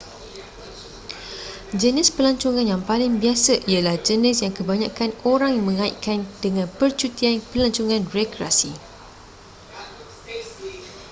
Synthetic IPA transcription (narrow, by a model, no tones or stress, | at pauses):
d͡ʒənɪspəlaɲt͡ʃuŋãnjaŋpalɪŋbiasaʔialahd͡ʒənɪsjaŋkəbaɲãkanoɾaŋjaŋmə̃ŋãḭʔ̪̚kʰandəŋãnpərt͡ʃut̪ianpəlaɲt͡ʃuŋãnrekɾia̰sḭ